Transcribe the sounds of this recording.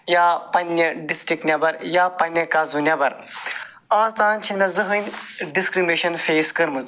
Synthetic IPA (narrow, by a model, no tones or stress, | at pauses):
jaːpɐnʲːɐɖisʈɾiknʲɐbɐɾjaːpɐnʲɐkazunʲɐbɐɾ | aːzt̪aːnʲt͡ʃʰinnɐzɨɦɨnʲɖiskɾimeʃɐnfeːskɨɾmɨz